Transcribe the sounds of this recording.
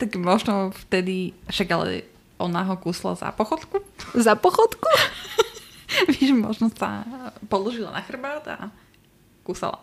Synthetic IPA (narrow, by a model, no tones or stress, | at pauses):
t̪aɡmɔʒnɔft̪ɛd̪iʃaɡalɛ̰ | ʔɔnaɦɔkuːsla̰za̰pɔxɔt̪kuzapɔxɔt̪ku | ʋɛʒɛmɔʒnɔsa̰pɔlˠɔʒilˠa̰naxr̩baːd̪a̰ | kuːsa̰la̰